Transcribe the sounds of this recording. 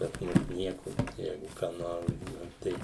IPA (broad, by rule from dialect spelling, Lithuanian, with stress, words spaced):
pɐs ˈmʊs ˈnʲiɛkoː ˈjɛɪɡʊ kɑː ˈnoːr ˈbuːʋɐ ˈtʲɛɪ